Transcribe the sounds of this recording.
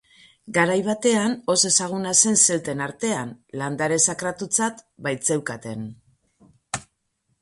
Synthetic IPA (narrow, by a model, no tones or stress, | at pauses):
ɡaɾajβat̪e̞ano̞se̞saɣ̞unase̞nse̞lt̪e̞naɾt̪e̞anland̪aɾe̞sakɾat̪ut͡sat̪bajt͡se̞wkat̪e̞n